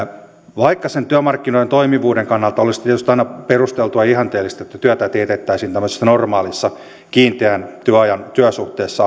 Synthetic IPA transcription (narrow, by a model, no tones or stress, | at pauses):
ʋɑikːɑsent̪yæmɑrkːinoiet̪oimiʋuːdeŋkɑnːɑlt̪ɑolist̪ieæt̪yst̪ɑinɑperust̪elt̪uɑihɑnt̪eːlːist̪et̪ːæt̪yøt̪æt̪eːt̪et̪ːæisiːnt̪æmːøse̥sːɑnormɑːlisːɑ | kiːnt̪eænt̪yæɑjɑnt̪yœsuht̪eːsːɑ